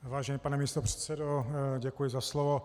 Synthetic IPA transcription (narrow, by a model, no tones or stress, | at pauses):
vaːʒɛniːpanɛmiːst̪opr̝̥ɛ̥t̪sɛdoɟɛkujɪzaslovo